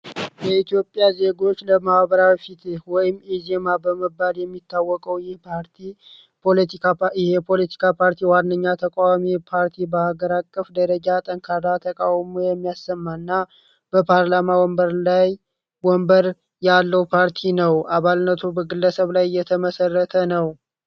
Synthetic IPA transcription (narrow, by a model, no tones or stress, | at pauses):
jɛit̪ʰijo̞pʼːjaze̞ɡo̞t͡ʃːləmahbəɾawifit̪ewɔjɪmːizemabəməbːaljɛmːit̪ʰːawːɔkʼəwjɛhpʰaɾt̪ʰi | ɪhepʰo̞lət̪ʰi̥kʰapʰaɾt̪ʰiwanːəɲːat̪ʰəkʼawamipʰaɾt̪ʰibəhaɡəɾakʼːəfd̪əɾəd͡ʒat̪ʼəŋkʰaɾat̪ʰəkʼawmujɛmːijasːəmːanːa | b̥əpʰaɾlamawɔmbəɾlaj | wɔmbəɾ | jalːəwpʰaɾt̪ʰinəwʔaβalnət̪ʰubəɡɨlːəsəβlajjɛt̪ʰəməsərːət̪ʰənəw